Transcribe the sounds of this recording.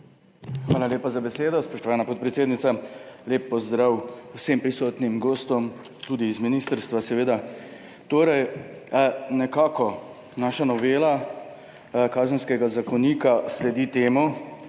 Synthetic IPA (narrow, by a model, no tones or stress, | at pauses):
xʋaːlaljeːpazabɛseːd̪ɔspɔʃt̪ɔʋaːnapɔt̪̚pɾɛt̪seːd̪nit̪saleːpːɔzd̪ɾawwsempɾisɔːt̪nimɡoːst̪ɔm | t̪uːd̪iːzminist̪əɾst̪ʋasɛʋeːd̪a | t̪oːɾɛj | nɛkaːkɔ | naːʃanɔʋeːla | kaːzənskɛɡazakɔniːkaslɛd̪it̪eːmɔ